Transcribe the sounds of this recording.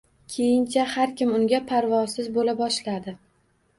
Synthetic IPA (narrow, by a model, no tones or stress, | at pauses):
kʲʰe̞jɪnt͡ʃʰahaɾkʲɪmʊŋɡʲapʰaɾvɒsɪzbolabɒʃlad̪ɪ